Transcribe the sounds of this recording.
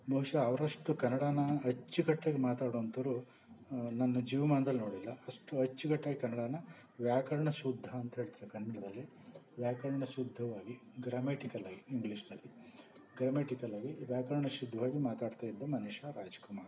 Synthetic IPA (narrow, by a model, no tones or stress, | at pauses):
bʱɐɦuʂɐːʋɐɾɐʂʈukɐnːɐɽaːnɐɐt͡ʃːiɡɐʈːeːɡemaːt̪aːɽoɐnt̪ɐʋɾu | nɐnːɐd͡ʒiːʋɐmaːnd̪ɐlnoːɽilːɐɐʂʈuɐt͡ʃːiɡɐʈːɐːɡekɐnːɐɽaːnɐ | ʋjaːkɐɾɐɳɐʃud̪ʱːɐːnt̪ɐɦeːɭt̪iɾekɐnːɐɽɐd̪ɐlːi | ʋjaːkɐɾɐɳɐʃud̪ʱːɐʋaːɡi | ɡɾaːmeːʈikɐlɐɡiiŋɡliʂd̪ɐlːi | ɡɾɐmeːʈikɐlaːɡiʋjaːkɐɾɐɳɐʃud̪ʱːɐʋaːɡimaːt̪aːɖt̪aːjid̪ːɐmɐnuʂaɾaːd͡ʒɐ̥kumaːɾ